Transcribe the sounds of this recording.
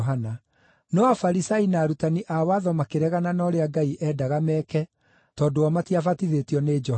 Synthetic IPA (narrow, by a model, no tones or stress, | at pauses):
ɦana | nɔafaɾisainaːɾutaniʔawaðɔmakeɾɛɣananɔɾeaɡaiʔɛːdaɣamɛːkɛ | tɔːdoɔmatiafatiðetiɔneːd͡ʒɔ